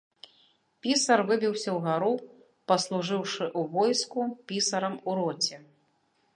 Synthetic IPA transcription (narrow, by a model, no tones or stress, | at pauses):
pʲisɐrvɨbʲiwsʲɐwɣaɾu | pɐslˠuʐɨwʂɨʔuvɔjskupʲisɐɾɐmuɾɔt͡sʲɛ